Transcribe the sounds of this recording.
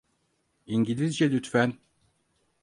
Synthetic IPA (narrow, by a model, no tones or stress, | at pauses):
iɲɟilʲizd͡ʒɛlʲyt̪fæn